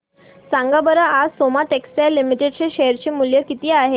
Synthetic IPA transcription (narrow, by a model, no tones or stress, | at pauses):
saŋɡabəɾəʔasomaʈeksalːimiʈeɖt͡ɕeɕeəɾt͡ɕiːmuljəkit̪iːaɦe